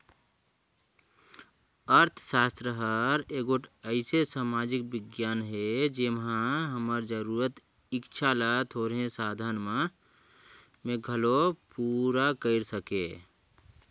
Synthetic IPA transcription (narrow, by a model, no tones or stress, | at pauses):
əɾt̪ʰʃaːst̪ɾəɦəɾeːɡʊʈʰəɪsesaːmaːd͡ʒɪk̚bɪɡjaːnɦed͡ʒemɦãɦəməɾd͡ʒəɾuːɾət̪ | ɪkt͡ʃʰalat̪ʰoːɾɦẽsaːd̪ʱanmã | mẽɡʱəlopuɾakəɪɾsəke